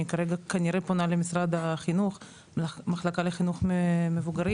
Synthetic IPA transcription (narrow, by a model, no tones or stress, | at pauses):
ikaɾeɡakaniɾeponalemisɾad̪aχinuχ | maχlakaleχinuχmevuɡaɾi